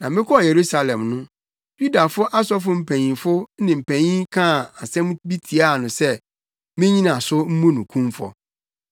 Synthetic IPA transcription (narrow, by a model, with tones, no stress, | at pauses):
nã˨mɪ̃˦kʰɔ˦˨je˨ɾu˦sa˨lɛ̃˨mnʊ̃˦ | ju˦da˨fʊ˦ʔa˦sɔ˦fʊ˦m̩˦pʰæ̃˨ɲĩ˨fʊ˦nɪ̃˨m̩˨pʰæ̃˨ɲĩ˦kʰã˦˨a˨sɛ̃˦m˦bi˦tʰi˨a˦˨nʊ̃˨sɛ˦ | mɪ̃˦ɲĩ˦nã˨sʊ˦m̩˦mũ˦nʊ̃˨kʰũ˦mfɔ̰˨